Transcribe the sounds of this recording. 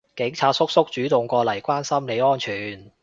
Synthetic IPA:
kɪ˨˥ŋt͡sʰaː˧t̚sʊ˥k̚sʊ˥k̚t͡ʃyː˨˥t̪ʊ˨ŋkʷɔː˧lɐ˨˩jkʷaː˥nsɐ˥mle˨˧jɔː˥nt͡ʃʰyː˨˩n

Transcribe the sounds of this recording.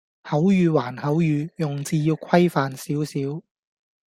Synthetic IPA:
hɐ˨˥wjyː˨˧waː˨˩nhɐ˨˥wjyː˨˧jʊ˨ŋt͡siː˧jiː˧wkʰɐ˥jfaː˨˧nsiː˨˥wsiː˨˥w

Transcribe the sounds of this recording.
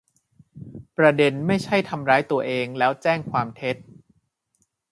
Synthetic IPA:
pɾa˧de˧nma˥˩jt͡ɕʰa˥˩jt̪ʰa˧mɾaː˦˥jt̪u˧ɐʔeː˧ŋlɛː˦˥wt͡ɕɛː˥˩ŋkʰwaː˧mt̪ʰe˦˥t̪̚

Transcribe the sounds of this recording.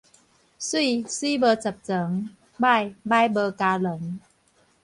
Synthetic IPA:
swi˥˩siː˦˥bəː˧t͡sa˨˩p̚t͡sə˨˩˦ŋ | ba˥˩˨jba˥˩jbəː˧kaː˧lə˨˦ŋ

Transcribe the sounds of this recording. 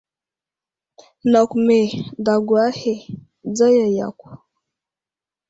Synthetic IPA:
na˨ku˨mɛ˨da˨ɡwa˦hɛ˦˨ | d͡za˦ja˨ja̰˨ku˨

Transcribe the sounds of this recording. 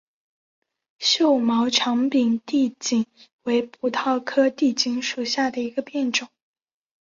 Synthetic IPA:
ɕjo˥˩ʊmɑ˧˥ʊʈ͡ʂʰɑ˧˥ŋpi˨˩ŋt̪i˥˧t͡ɕi˨˩ŋwe˧˥ɪpʰu˨˩t̪ʰɑ˥˩ʊkʰɤ˥t̪i˥˩t͡ɕi˧˥nʂu˨˩ɕja˥˩d̪ə˩i˧˥ɡə˧pjɛ˥˩nʈ͡ʂʊ˨˩˦ŋ

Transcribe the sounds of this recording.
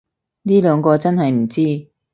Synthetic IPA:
niː˥lœː˨˧ŋkɔː˧t͡sɐ˥nhɐ˨jm̩˨˩t͡siː˥

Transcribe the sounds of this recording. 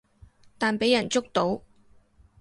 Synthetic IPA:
t̪aː˨npe˨˥jɐ˨˩nt͡sʊ˥k̚t̪o˨˥w

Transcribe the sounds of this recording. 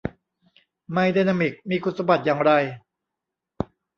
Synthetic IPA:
ma˧jdeː˧naː˧mi˨˩k̚miː˧kʰu˨˩t̪sa˧ba˨˩t̪̚jaː˨˩ŋɾa˧j

